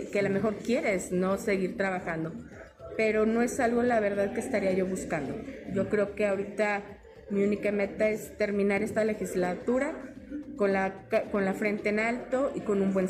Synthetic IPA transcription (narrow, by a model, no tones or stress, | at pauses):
kealame̞xo̞ɾkje̞ɾe̞sno̞se̞ɣiɾt̪ɾaβaxand̪o̞ | pe̞ɾo̞no̞e̞salɣolaβ̞e̞ɾð̞aðkeːst̪aɾiaʝo̞βuskand̪oʝo̞kɾe̞oke̞aoɾit̪a | miunikame̞t̪ae̞st̪e̞ɾmĩnaɾe̞st̪ale̞xizlat̪uɾako̞nlakako̞nlafɾe̞nt̪e̞enalt̪o̞iko̞nũmbwe̞n